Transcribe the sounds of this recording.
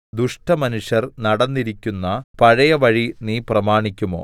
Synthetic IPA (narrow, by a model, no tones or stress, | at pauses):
d̪uʂʈɐmɐnuʂjɐrnɐɽɐnːiɾikʲːunːɐpɐɻɐjɐʋɐɻiniːprɐmaːɳikʲːumo̞̰ː